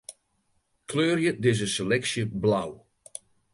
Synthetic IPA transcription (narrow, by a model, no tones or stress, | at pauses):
kʰløːrjədɪz̬ənselɛksjəblaw